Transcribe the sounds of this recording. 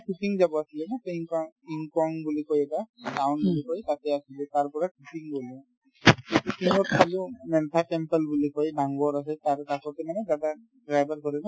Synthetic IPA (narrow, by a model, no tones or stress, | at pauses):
kikiŋzabɔasilɛbɔtŋkɔŋiŋkɔŋbulikojɛtadawnbulikojtatɛasilɛtaɹpɔɹakʰikiŋbɔli | ekikiŋɔt̚kʰalumɛntʰakɛmpɛlbulikojdaŋɡɔɹas̬ɛtaɹtakɔtimanɛdada | dɹajbaɹkɔɹibɔ